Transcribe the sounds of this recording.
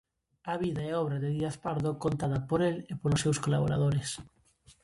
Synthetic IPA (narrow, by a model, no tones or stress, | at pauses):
aβiðaeɔβ̞ɾaðeðiaθpaɾðokont̪aðɐpoɾelepolosːewskolaβo̰ɾa̰ð̞oɾes